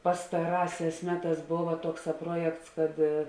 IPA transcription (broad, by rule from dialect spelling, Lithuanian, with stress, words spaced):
pɐstɐˈrɑːˌsʲɛːs ˈmʲæːˌtɑːs ˈboːʋɐ ˈtuɔkˌsɑː ˈpruɔjɛkts kɐt